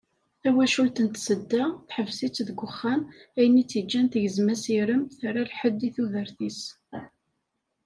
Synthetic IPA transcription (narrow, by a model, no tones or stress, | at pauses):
θæwæʃult̪ənt̪səd̪ːæθħəvsit͡sːðɡʷəχːænæjənit͡sːid͡ʒːænt̪əʝəzmæsiɾəmθɾalħəd̪ːiθuðəɾθis